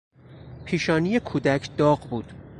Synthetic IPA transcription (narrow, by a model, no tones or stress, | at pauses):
pʰiːʃɒːnijekʰuːd̪æcʰd̪ɒːɢbuːd̪̥